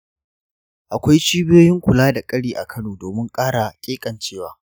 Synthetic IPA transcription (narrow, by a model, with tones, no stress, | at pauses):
ʔa˨kʷa˦jt͡ʃiː˦bɪ˦joː˦jɪ˦ŋkʷʊ˨laː˦da˨kʼɐ˦ɽiː˨ʔa̰˨kʰɐ˦noː˨doː˨mɪ˦ŋkʼaː˦ɽa˨kʲʼeː˦kʼɐ˨nt͡ʃeː˦˨waː˦